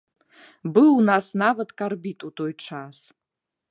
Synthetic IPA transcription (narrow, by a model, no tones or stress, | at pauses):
bɨnasnavadkʼarbitʼutʰojʈ͡ʂʰaz